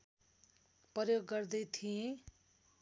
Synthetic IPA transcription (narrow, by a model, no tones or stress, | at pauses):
pʌjoɡːʌrd̪ʌjt̪ʰijẽ